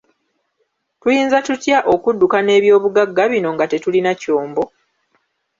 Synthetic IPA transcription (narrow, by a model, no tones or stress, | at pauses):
tujiːnzatutjaʔo̞kudːukane̞ːβjo̞ːβuɡaɡːaβino̞ŋɡate̞tulinaco̞ːmbo̞